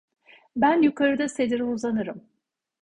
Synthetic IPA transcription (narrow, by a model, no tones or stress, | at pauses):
bænjukʰaɾɯd̪ase̞d̪iɾiuzanɯɾɯm